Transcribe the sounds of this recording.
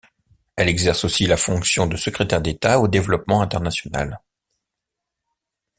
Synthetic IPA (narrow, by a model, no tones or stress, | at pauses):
ɛlɛɡzɛʁsosilafɔ̃ksjɔ̃d̪əsəkχet̪ɛʁd̪et̪aod̪evlɔpmɑ̃ɛ̃t̪ɛʁnasjɔna̰l